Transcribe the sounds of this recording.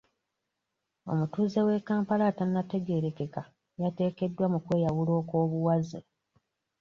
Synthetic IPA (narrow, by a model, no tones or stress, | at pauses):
o̞̰mutuːzewe̞kaːmpalaːtanːate̞ɡe̞ːɾe̞ke̞ka | jate̞ːke̞dːwamukwe̞ːjawulo̞ːko̞ːβuwazḛ